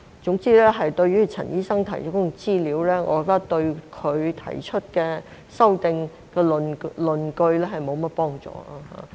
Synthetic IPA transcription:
t͡sʊ˨˥ŋt͡siː˥lɛː˥ɦɐ˨jt̪ɵ˧ɥɥyː˥t͡sʰɐ̰˨˩njiː˥sɐ˥ŋt̪ʰɐ˨˩jt͡ʃʰtkt͡siː˥liː˨˥wlɛː˥ŋɔ̰ː˨˧kɔ˨˧˥kt̪ɐ˥k̚t̪ɵ˧ɥkʰɵ˨˧ɥt̪ʰɐ̰˨˩jt͡ʃʰɵ˥t̚kɛː˧ | sɐ˥wt̪ɪ˨˧ŋ | kɛː˧lnlɵ˨nkɵ˧ɥlɛ˥ɦɐ˨jmo˨˧wmɐ˥t̚pɔː˥ŋt͡sɔ̰ː˨˩a˧ha̰ː˨

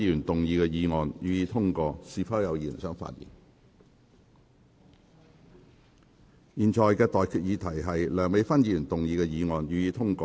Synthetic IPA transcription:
iː˨˧jyː˨˩nt̪ʊ˨ŋjiː˧kɛ˧jiː˨˧ŋɔː˨njyː˨jiː˨˧t̪ʰʊ˥ŋkɔː˧siː˨˧fʰɐ˥wjɐ˨˧wjiː˨˩˨nsœː˥ŋfa̰ː˧t̚jḭː˨˩n | jiː˨nt͡ʃʰɔː˨jkɛː˧t̪ɔː˨jkʰyː˨t̚jiː˨˧t̪ʰɐ˨˩jɦɐ˨jlœː˨˩ŋme˨˧jfɐ˥njiː˧jyː˨˩nt̪ʊ˨ŋjiː˧kɛː˧jiː˨˧ŋɔː˨nɥyː˨jiː˨˧t̪ʰʊ˥ŋkɔː˧

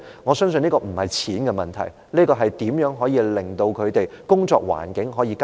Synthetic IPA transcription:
ŋɔː˨˧sœː˥ŋs̬ɵ˧niː˥kɔː˧m̩˨˩hɐ˨jt͡sʰiː˨˥nkɛ˧mɐ˨nt̪ʰɐ̰˨˩j | niː˥kɔː˧ɦɐ˨jt̪iː˨˥mjœː˨˥ŋɦɔː˨˥jiː˧lɪ˨˩ŋt̪o˧wkʰɵ˨˧ɥt̪e˨jkʊ˥ŋt͡sɔ̰ː˧k̚wa̰ː˨˩nkɪ˨˥ŋɦɔː˨˥jiː˧ka

